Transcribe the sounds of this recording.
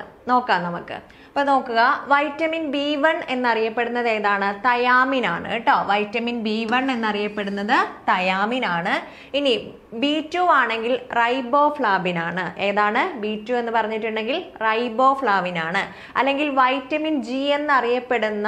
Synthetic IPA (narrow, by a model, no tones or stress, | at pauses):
no̞ːkːaːnnɐmukːɨ̰ | ɐpːɐːno̞ːkːuɣɐʋɐjtːɐminbiːʋɐɳe̞nːɐrijɐpːe̞ɽunːɐðe̞ːðaːɳɨt̪ɐjaːminaːɳɨ̰iʈːoːʋɐjtːɐminbiːʋɐɳe̞nːɐrijɐpːe̞ɽunːɐðɨt̪ɐjaːminaːɳɨ | ini | biːtːuaːɳe̞ŋɡilrɐjbo̞ːfɭaːbinaːɳɨʔe̞ːðaːɳɨbiːtːue̞nːɨpɐrɐɲːiʈːuɳɖe̞ŋɡilrɐjbo̞ːfɭaːʋinaːɳɨ | ɐ̰lːe̞ŋɡilʋɐjtːɐmind͡ʑiːenːɐrijɐpːe̞ɽunːɐ